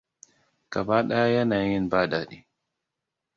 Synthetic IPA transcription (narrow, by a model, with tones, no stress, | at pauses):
ka˨baː˦ɗa˦ja˦jɐ˦naː˨jɪ˦nbaː˦˨daː˨ɗi˨